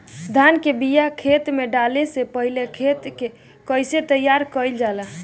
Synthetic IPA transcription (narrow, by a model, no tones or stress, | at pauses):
d̪ʱankebijakʰet̪meɖalesepəɦilekʰet̪ke | kəjset̪əjːaɾkəjld͡ʒalə